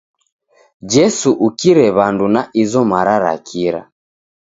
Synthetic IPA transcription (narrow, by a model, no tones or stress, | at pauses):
d͡ʒɛsuʔukiɾɛβandunaʔizɔmaɾaɾa̰kʰiɾa̰